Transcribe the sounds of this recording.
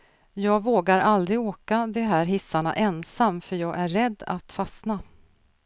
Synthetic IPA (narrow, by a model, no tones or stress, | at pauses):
jɑːɡvoːɡaɾʔald̪ɾɪɡoːkad̪ɛɦæːɾɦɪsːaɳa̰ʔɛnsamːfœɾjɑːɡʔæɾːɛd̪ːa̰t̪fasna